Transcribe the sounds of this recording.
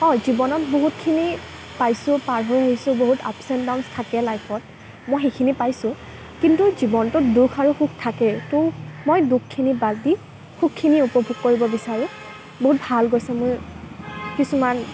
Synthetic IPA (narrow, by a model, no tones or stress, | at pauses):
ɔjzibɔnɔtboɦutkʰini | pajsʊpaɹɦojaisʊ̃boɦutʰa̰psɛntdawnstʰakɛlajpʰɔt̚ | mojxejkʰinipajsʊ̃ | kintuzibɔntʊtdukʰaɹuxuk̚ʰtʰakɛtʊmojdukʰːinibaldi | xuk̚kʰːiniupɔbʱuɡ̚koɹibɔbisaɹɛ | boɦut̚bʱalɡojsɛmʊj | kisuman